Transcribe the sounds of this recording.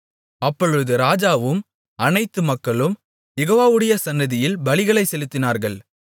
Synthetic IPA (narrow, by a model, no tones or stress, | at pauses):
ɐpːɔɻɯðɯɾaːd͡ʒaːʋɯm | ɐnɐɪt̪ːɯmɐkːɐɭɯm | jɛɣoːʋaːʋɯɽɐjɐsɐnːɐðɪjɪlbɐɭɪɣɐɭɐɪsɛlɯt̪ːɪnaːɾɣɐɭ